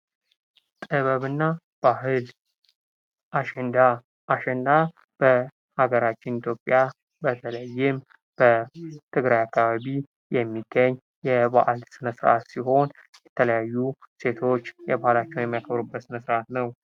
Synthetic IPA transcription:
t̪ʼɨβəβɨnːa | b̥aɦɨl | ʔaʃɛnd̪a | ʔːʃɛnd̪a | b̥ə | haɡəɾat͡ʃːɪnit̪ʰjo̞pʼːja | bət̪ʰələjːɪm | b̥ət̪ʰɨɡɾajakːaβaβi | jɛmːiɡːəɲː | jɛba̰ʔalsɨnəsɾʔa̰t̪siɦo̞n | jɛt̪ʰələjajːuse̞t̪ʰo̞t͡ʃːjɛbahlat͡ʃːɛwnjɛmːijakʰəβɾubːəsməsɾʔat̪nəw

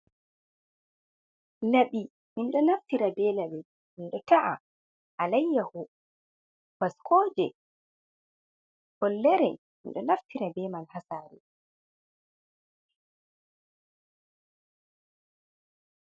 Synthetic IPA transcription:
naɓi | minɗɔnaftiɾabɛːlabɛ | minɗɔtaʔa̰ | ʔalajːahɔ | b̥askʰɔːd͡ʒɛ | hɔlːɛɾɛ̰ | mḭnɗɔnaftiɾabɛmanhasaːɾɛ̰

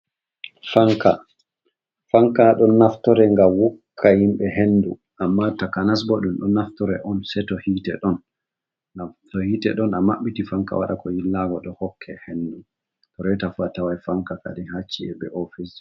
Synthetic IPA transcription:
faŋka | faŋkaɗɔnːaftɔɾɛŋɡawukkʰːahimɓɛɦenːdu | ʔamːatakanas̬bɔɗumɗɔnaftɔɾɛ̰ʔɔnsɛtɔhiːtɛ̰ɗɔn | tɔhiːtɛ̰ɗɔnamaɓːitifaŋka̰wa̰ɗakɔjilːaɡɔɗɔhɔkʰːɛhendu | tɔɾɛtafuatawajfaŋkaka̰dihat͡ʃːiɛ̰bɛ̰ʔɔfis

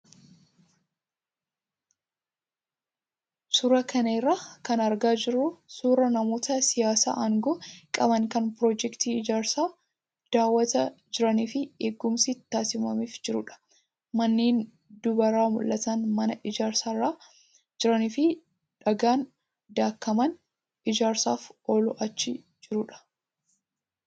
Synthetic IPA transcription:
sʊɾɐkɐneːrːakɐnɐɾɡaːd͡ʒɪrːʊsuːɾɐnɐmo̞ːt̪ɐsɪjaːsa̰ːʔɐŋɡɔkʼɐbɐŋkɐnpɾoːd͡ʒɛkt̪iːɪd͡ʒaːɾsaː | d̪̥aːwːɐt̪ɐd͡ʒɪɾɐniːfɪeːɡːʊmsit̪ːaːsɪmɐ̰miːfd͡ʒɪɾʊ̰ᶑɐ̥ | mɐnːiːn | d̪ʊbɐɾaːmʊ̰lːɐt̪ɐnmɐnɐʔɪd͡ʒaːɾsarːaː | d͡ʒɪɾɐnifɪ | ᶑɐɡaːn | d̪aːkːɐmɐn | ɪd͡ʒaːɾsa̰ːfoːlʊʔɐt͡ʃːɪ | d͡ʒɪɾʊᶑɐ̥

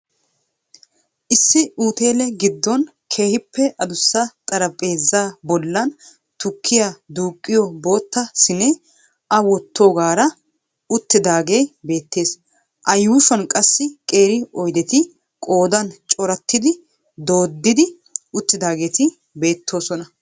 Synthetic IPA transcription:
ʔɪsːɪuːt̪e̞ːlɛɡɪd̪ːɔn | kʰe̞ːhɪpːɛʔɐd̪ʊsːɐt̪ʼɐɾɐpʼe̞ːzːaːbɔlːɐn | t̪ʊkʰːɪjad̪uːkʼːɪjɔbo̞ːt̪ːɐsɪne | ʔɐwɔt̪ʰːoːɡaːɾɐ | ʊt̪ːɪd̪aːɡejbe̞ːt̪ːe̞ːs | ʔɐjuːʃɐnkʼɐsːɪkʼe̞ːɾɪɔjd̪ɛt̪ɪ | kʼo̞ːd̪ɐnt͡ʃʼɔɾɐt̪ːɪd̪ɪ | d̪o̞ːd̪ːɪd̪ɪ | ʊt̪ːɪd̪aːɡe̞ːt̪ɪ | be̞ːt̪ʰːo̞ːsɔnɐ

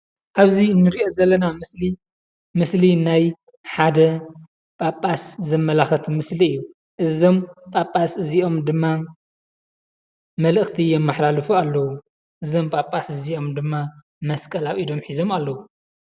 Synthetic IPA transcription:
ʔaβzinːɨɾiʔo̞zɐlːɐnamɨsli | mɨslinaj | ħad̪ɐ | pʼapʼːaszɐmːɐlaxɐt̪ʰmɨsliɨjːu | ʔɨzo̞mpʼapʼːasɨziʔo̞md̪ɨmːa | mɐlɨxt̪ʰijɛmːaħlalɨfualːɐwu | ʔɨzo̞mpʼapʼːasɨziʔo̞md̪ɨmːa | mɐskʼɐlawʔid̪o̞mħizo̞malːɐwu

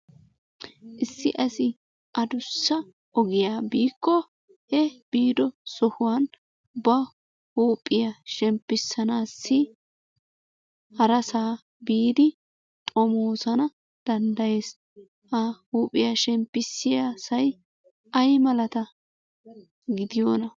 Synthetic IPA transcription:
ʔɪsːɪʔɐsɪ | ʔɐd̪ʊsːɐ | ʔɔɡɪjaːbiːkːɔ | hɛb̥iːd̪ɔsɔhʊwan | bɐ | huːpʼːɪjɐʃɛmpːɪsːɐnaːsːɪ | hɐɾɐsaː | biːd̪ɪ | t̪ʼɔmoːsɐnɐ | d̪̥ɐnd̪ɐje̞ːs | hɐhuːpʼːɪjaʃɛmpːɪsːɪjaːsɐj | ʔɐjmɐlɐt̪ɐ | ɡɪd̪ɪjoːnɐ

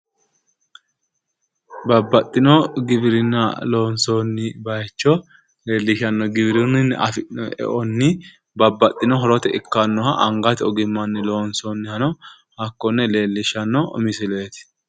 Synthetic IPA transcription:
bɐbːɐt̪ʼːɪnɔɡɪbɪɾɪnːɐloːnsonːɪbɐjt͡ʃːɔ | le̞ːlːɪʃɐnːɔɡɪbɾɪnɪnːɛʔɐfɛ̰ʔɔnːɪ | bɐbːɐt̪ʼːɪnɔɦɔɾɔt̪ɛɪkːɐnːɔhɐʔɐŋɡɐt̪ɔɡɪmːɐnːɪlo̞ːnsonːɪhɐnɔ | hɐkːɔnːɛle̞ːlːɪʃɐnːɔɔ̰mɪsɪlet̪ɪ̥

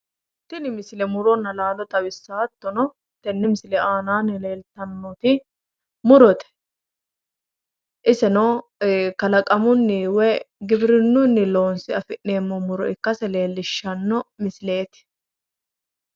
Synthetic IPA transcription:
t̪ːɪnɪmɪslɛmʊɾɔnːɐlaːlɔt̪ʼɐbɪsːaːt̪ːɔnɔ | t̪ːɛnːɪmɪslɛaːnaːnɪle̞ːlt̪ɐnːɔt̪ɪ | mʊɾɔt̪ɛ̥ | ʔɪsɛnɔ | kɐlɐkʼɐmʊnːɪwɛɡɪbɾɪnːʊnːɪlo̞ːnsɪɐfɪʔnːe̞ːmːɔmʊɾɔ̰ɪkːɐsɛle̞ːlːɪʃːɐnːɔmɪsle̞ːt̪ɪ̥

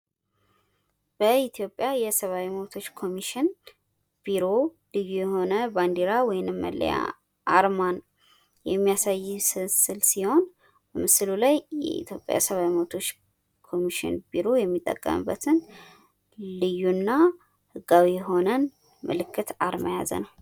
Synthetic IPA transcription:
b̥əit̪ʰjo̞pʼːjajɛsəβawiməβt̪ʰo̞t͡ʃːkʰo̞miʃɪn | b̥iɾo̞lɨjːujɛho̞nəband̪iɾawɔjɪnɨmːə̰lːə̰ja̰ | ʔaɾman | jɛmːijasajːsɨsɨlsiho̞n | b̥əmɨsɨlulajjɛ̰ʔḭt̪ʰjo̞pʼːja̰jsəβawiməβt̪ʰo̞t͡ʃː | kʰo̞miʃɪ̰nbiɾo̞jɛmːit̪ʼːə̰kʼːə̰mɨ̰bːət̪ʰɨn | lɨjːunːa | hɨɡawijɛɦo̞nən | mɨ̰lɨkʰːɨt̪aɾməja̰zə̰nəw

